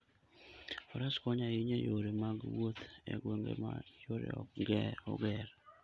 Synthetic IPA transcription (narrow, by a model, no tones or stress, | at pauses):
fɔɾaskɔɲaiɲejoɾemaɡwot̪ḛɡweŋɡḛma̰joɾḛɡɛɔ̰ɡɛɾ